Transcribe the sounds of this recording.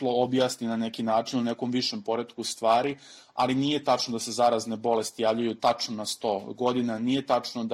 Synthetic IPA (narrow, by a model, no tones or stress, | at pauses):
loobjaːsninane̞kinaːt͡ʃinune̞ko̞mʋiʃempo̞ɾed̪kust̪ʋaːɾi | a̰liniːje̞t̪at͡ʂnod̪ase̞zaɾazne̞bo̞le̞st̪ijaːʋʎujut̪at͡ʃnonast̪o̞ːɡo̞d̪inanije̞t̪at͡ʂnod̪